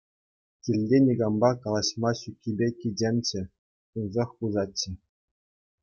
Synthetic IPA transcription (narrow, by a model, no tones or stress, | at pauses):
kʲilʲlʲenʲiɡɑmbɑkɑlˠɑɕmɑɕukʲʰːibʲekʲid͡ʑʲemʲt͡ɕɘ̆ | unzɑχpuzɑt͡ɕːɘ̆